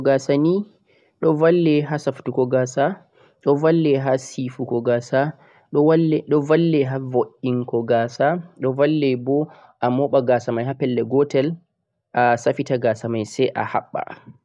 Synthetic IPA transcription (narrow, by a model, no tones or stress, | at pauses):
ɡasani | ɗɔvalːɛɦasaftukɔɡasa | ɗɔvalːɛɦasifukɔɡasa | ɗɔwɗɔvalːɛɦavoʔiŋkɔɡasaɗɔvalːɛbɔ | ʔamɔɓaɡasamajɦapɛlːɛɡɔtɛl | ʔasafitaɡasamajsɛʔa̰ha̰ɓːa̰